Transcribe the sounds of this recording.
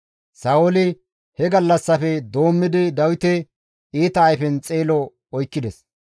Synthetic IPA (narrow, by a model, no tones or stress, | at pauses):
saːolɪ | hɛɡɐlːɐsːɐfɛd̪o̞ːmːɪd̪ɪd̪ɐwɪt̪ɛ | iːt̪ɐːjfɛnt͡sʼeːlɔ | ɔjkːɪd̪ɛs